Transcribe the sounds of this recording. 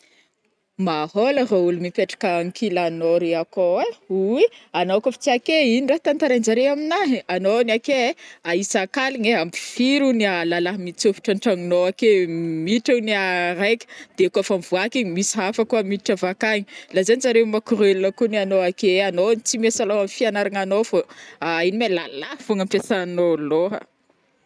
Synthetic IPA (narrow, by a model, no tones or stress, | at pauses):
maholəraulumipeʈ͡ʂḁkaŋkʰilanoɾeakoeuianokufi̥t͡siakeininɖ͡ʐaɦt̪ant̪aɾand͡ʒaɾeaminaɦianoniakeaisakaliɲeampi̥fiɾunialalaɦmit͡sufi̥ʈ͡ʂaɳʈ͡ʂaŋinoakemiʈ͡ʂuniaɾajkʲə̥d̪̥ekuafamv̥uakiɲimisiɦafəkuəmiʈ͡ʂavakaɲi̥lazanizaɾeumakuɾelunəkunianoakeanonit͡simesalaamifianaɾaŋanofoinimelalahfuŋəmpesanoloɦə̰